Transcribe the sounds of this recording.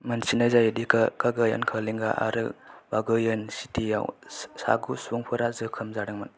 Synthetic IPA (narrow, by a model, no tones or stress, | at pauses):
mɐnsinazajdikʰkʰaɡaja̰nkʰaliŋɡaʔa̰ɾɯ̰baɡɯjɯnsitija̰wsa̰ɡusuŋpʰɯɾazɯkʰɯmzaɾɯŋman